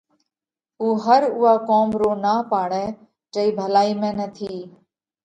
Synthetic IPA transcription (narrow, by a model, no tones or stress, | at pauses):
uːɦəɾʊːaːkoːmɾoːnaːpaːɳɛ̃ː | t͡ʃəiːbʱəlaːiːmẽːnət̪ʰiː